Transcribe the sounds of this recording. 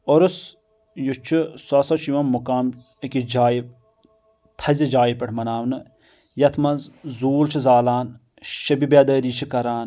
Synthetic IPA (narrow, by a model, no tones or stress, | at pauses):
oɾus | jut͡ʃʰusɐsɐt͡ʃʰiʋɐnmukaːm | ɐkid͡ʒaːjip̚ | t̪ʰɐzid͡ʒaːjipɐʈʰmɐnaːwnɨ | jɐt̪ʰmɐnzzuːlt͡ʃʰizaːlaːn | ʃɐbibeːd̪əːɾiːt͡ʃʰikɐɾaːn